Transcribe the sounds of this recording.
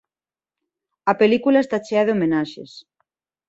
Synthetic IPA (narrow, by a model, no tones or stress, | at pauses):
ɐpelikulaest̪at͡ʃeaðeomenaʃḛs